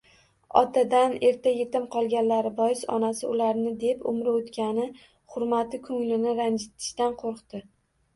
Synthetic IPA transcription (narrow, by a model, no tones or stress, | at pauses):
ɒ̰t̪ʰad̪ane̞ɾt̪ʰaje̞t̪ɪmqʰɒlˠɡʲanlaɾɪbɒjɪsɒ̰nasɪʊlaɾnɪd̪e̞pʊ̰mɾaot̪kʲanɪ | χʊɾmat̪ɪkʰɵŋlɪnɪɾand͡ʒɪt̪ʰɪ̥ʃt̪anqʰoɾqt̪ɪ